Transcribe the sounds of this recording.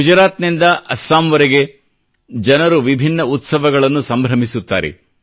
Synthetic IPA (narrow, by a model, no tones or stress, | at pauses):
ud͡ʒɐɾaːt̪nind̪ɐʔɐsːaːmʋɐɾeɡe̞ | d͡ʒɐnɐɾuʋibʱinːɐut̪sɐʋɐɡɐɭɐnːusɐmbʱɾɐmisut̪ːa̰ːɾḛ